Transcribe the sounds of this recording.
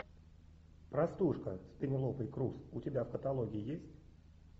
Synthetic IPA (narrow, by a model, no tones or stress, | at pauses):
pɾɐst̪uʂkəspʲɪnʲɪlˠopəjkɾusʊtʲɪbʲafkət̪ɐlˠoɡʲɪɪjesʲtʲ